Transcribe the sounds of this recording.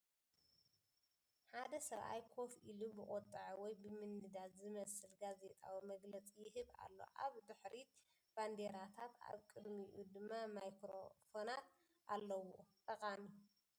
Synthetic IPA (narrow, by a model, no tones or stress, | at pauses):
ħad̪ɐsɐɾʔa̰jkʰo̞filubɨχʼot̪ʼːɨʕwɔjbɨmɨnːɨd̪azzɨmɐsɨlɡaze̞t̪ʼawimɐɡlɐt͡sʼijɪɦɨβa̰lːo̞̰ʔaβd̪ɨħɾi | b̥and̪e̞ɾat̪ʰat̪ʰa̰βkʼɨd̪miʔud̪ɨmːamajkɾo̰fo̞nat̪ | ʔalːɐwot̪ʼɐqʼami